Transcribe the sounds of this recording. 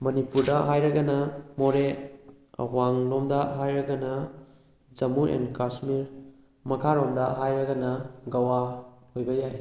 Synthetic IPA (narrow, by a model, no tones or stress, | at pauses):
mɐnipuɾdɐɦajɾɐɡɐnɐmoɾe | ɐ̰waŋlomdɐɦajɾɐɡɐnɐ | d͡ʒɐmuɾʔḛnkasmiɾ | mɐkʰaɾomdɐɦajɾɐɡɐnɐɡɐwahojbɐjaj